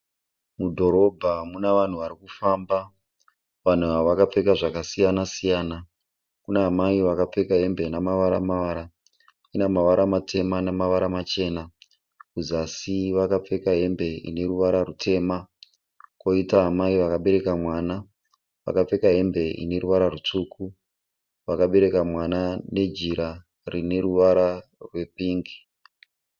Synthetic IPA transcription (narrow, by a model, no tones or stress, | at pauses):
mudʱo̞ɾo̞bʱamunaʋan̤uʋaɾikufamba | ʋan̤uaʋakap͡fe̞kaʐakasijanasijaːna | kunaɦamaiʋakap͡fe̞kaɦe̞mbe̞namaʋaɾamaʋaɾa | kinamaʋaɾʔamatʰe̞manamaʋaɾamat͡ʃe̞ːna | kuzasiʋakap͡fe̞kaɦe̞mbe̞ḭne̞ɾuʋaɾarutʰe̞ːma | ko̞itaɦamaiʋakaɓe̞ɾe̞kamwaːna | ʋa̰kap͡fe̞kaɦe̞mbe̞ḭne̞ɾuʋaɾarut͡ʂuːku | ʋakaɓe̞ɾe̞kamwanane̞d͡ʒiɾa | rine̞ruʋaɾarwe̞piːŋɡi